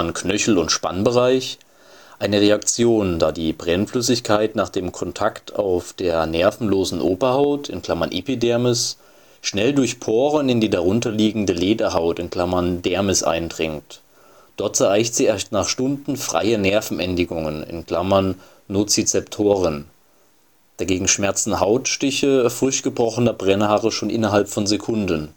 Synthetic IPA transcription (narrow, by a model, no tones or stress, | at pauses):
nkʰnœçl̩ʊntʃpa̰nbəʁaɪç | ʔaɪnəʁeakt͡sjoːndaːdiːbʁɛnflʏsɪçkʰaɪtnaːχd̥eːmkʰɔntʰaktʰa̰ʊfd̥eːɐnɛɐfn̩loːzn̩ʔoːbɐhaʊtʰɪ̰nkl̥amɐnʔḛpidɛɐmɪs | ʃnɛldʊɐçpʰoːʁənɪndiːdaʁ̞ʊntɐliːɡŋ̩dəleːdɐɦaʊtɪnkl̥amɐndɛɐmɪsʔa̰ɪndʁɪŋt | d̥ɔɐtt͡sɛɐʔaɪçtz̥iːɛɐstnaːχʃtʊndn̩fʁ̥a̰ɪənɛɐfn̩ʔɛndɪɡʊŋənɪ̰nkl̥amɐnː | oːt͡sit͡sɛptʰoːʁən | d̥aɡeːɡŋ̩ʃmɛɐt͡sn̩ɦaʊtʃtɪçəfʁ̥ʏçtɡ̥əbʁɔχənɐbʁɛnhaːʁəʃoːnʔɪ̰nɐɦalpfɔnzekʰʊndən